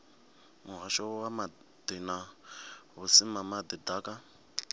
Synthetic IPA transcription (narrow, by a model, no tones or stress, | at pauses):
mʊɦaʃɔwama | d̪ina | ɦusimamad̪idakʼa